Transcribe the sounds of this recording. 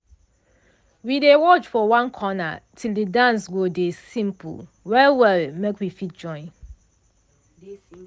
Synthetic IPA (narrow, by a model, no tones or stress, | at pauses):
widewɔt͡ʃfɔwãnkʰɔna̰tʰildədãnsɡodesĩmpʰṵl | wɛlwɛlmekwifit̚d͡ʒɔ̃ɪ̃n